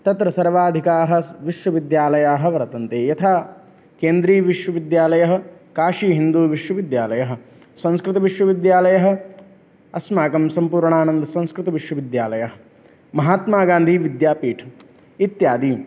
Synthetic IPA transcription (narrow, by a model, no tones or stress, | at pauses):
t̪ɐt̪ɾɐsɐɾʋaːd̪ʱikaːɦɐ̆ʋiʃʋɐʋid̪jaːlɐjaːɦɐ̆ʋɐɾɐt̪ɐnt̪eːjɐt̪ʰaː | keːnd̪ɾiːʋiʃʋɐʋid̪jaːlɐjɐɦɐ̆kaːʂiːɦind̪uːʋiʃwɐʋid̪jaːlɐjɐɦɐ̆ | sɐ̃nskɾɪt̪ɐʋiʃʋɐʋid̪jaːlɐjɐɦɐ̆ | ɐsmaːkɐmsɐmpuːɾɳaːnɐnd̪ɐsɐ̃nskɾɪt̪ɐʋiʃwɐʋid̪jaːlɐjɐɦɐ̆ | mɐɦaːt̪maːɡaːnd̪ʱiːʋid̪jaːpiːʈʰɐ̥ | it̪jaːd̪iː